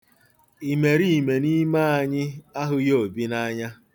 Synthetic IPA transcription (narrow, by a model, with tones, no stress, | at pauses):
i˨me˨ɾi˦˨me˨ni˦ma˦a˨ɲɪ˦a˦ɦʊ˦joo˨bi˦na˦ɲa˦